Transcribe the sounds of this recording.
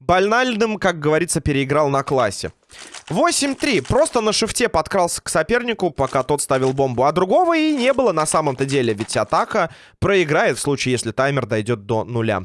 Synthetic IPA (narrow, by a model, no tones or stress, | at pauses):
bɐlʲnalʲnɨmkak̚ɡəvɐɾʲit̪səpʲɪɾʲɪɪɡɾɑlˠnɐklˠasʲːɪ̰ | vo̞sʲɪmʲt̪ɾʲipɾo̞st̪ənəʂɨftʲepɐt̪kɾalˠsʲə̥ksɐpʲe̞rnʲɪkʊpɐkat̪o̞t̪st̪avʲɪlˠbo̞mbʊɐd̪ɾʊɡo̞vəinʲe̞bɨlˠənɐsaməmt̪ədʲelʲɪvʲɪtʲɐt̪akə | pɾəɪɡɾajɪt̪fslˠut͡ɕɪjesʲlʲɪt̪ajmʲɪrd̪ɐjdʲo̞t̪̚d̪onʊlʲa̰